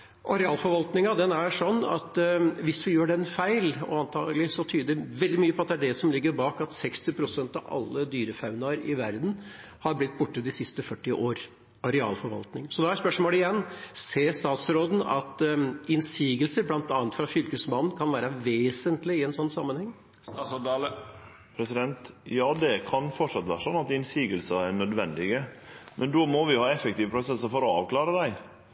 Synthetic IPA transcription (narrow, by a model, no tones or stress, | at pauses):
ʔɑɾɛɑːlfɔɾʋɑlt̪nɪŋɑd̪ɛnæʂɔnːɑ̰t̪ʋɪsʋɪjøːɖɛnfæɪlɔ̰ɑnt̪ʰɑ̰ːɡəlɪsɔt̪ʰyːd̪əʋɛld̪ɪmyːəpɔɑt̪̚d̪ɛæɖɛsɔmlɪɡːəɾbɑːkɑt̪sɛkst̪ɪpʰɾʊsɛnt̪ɑʋɑ̰lːəd̪yːɾəfɑʉnɑɾɪ̰ʋæɾd̪n̩ | hɑɾblɪt̪ːbʊʈːəd̪ɪsɪst̪əfœʈːɪʔoːɾ | ɑɾɛɑ̰ːlfɔɾʋɑ̰lt̪nɪŋsɔd̪ɛæspœʂmoːləɪjɛnːseːst̪ɑːt̪sɾoːd̪n̩ɑ̰t̪ɪnsiːɡəlsəɾblɑnt̪ɑːnət̪fɾɑfʏɾkəsmɑnn̩kʰɑnʋæːɾəʋeːsənt̪lɪɪɛnsɔnːsɑmːənhɛŋː | sd̪ | pʰɾɛsɪd̪ɛnt̪jɑːd̪ɛkʰɑnfɔʈʂɑt̪ːʋæ̰ːɾəʂɔnːɑt̪ɪnsiːɡəlsəæɳœd̪ʋɛnd̪ɪɡəmʔɛnd̪ɔmɔʋɪʊhɑːɛfəkt̪iːʋəpʰɾʊsɛsəɾfɔɾɔɑ̰ːʋklɑːɾəd̪æɪ